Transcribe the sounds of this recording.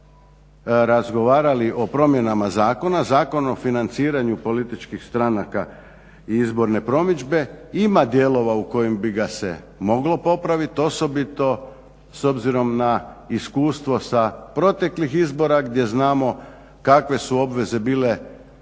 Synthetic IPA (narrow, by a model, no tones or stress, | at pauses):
ɾazɡo̞ʋaːɾaliʔo̞pɾo̞mje̞namazaːko̞nazaːko̞nofinant̪siːɾaɲupo̞lit̪it͡ʃkixst̪ɾanaka | iizbo̞ɾne̞pɾo̞mid͡ʒbe̞imad̪je̞lˠo̞ʋauko̞jimbiɡase̞̰ | mo̞ɡlo̞po̞pɾaʋit̪o̞so̞bit̪o̞ | so̞bziɾo̞mnaiskuːst̪ʋo̞sapɾo̞t̪e̞klixizbo̞ɾaɡd̪je̞znaːmo̞ | kakʋe̞suo̞bʋe̞ze̞biːle̞